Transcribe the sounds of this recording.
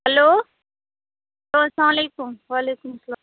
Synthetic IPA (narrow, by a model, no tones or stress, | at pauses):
hɐloː | loːsãːmleːkumʋaːleːkumsɐlaː